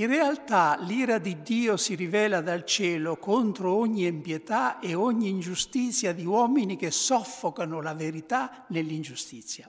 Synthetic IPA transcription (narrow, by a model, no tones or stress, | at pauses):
inrealt̪aliːɾad̪id̪ːiːosiɾivɛːlad̪alt͡ʃɛːlokont̪ɾoɔɲːiempjet̪aeɔɲːiːnd͡ʒust̪it̪sːjad̪iwɔːminik̟esːɔfːokanʊlaveɾit̪a | nelːind͡ʒust̪it̪sːja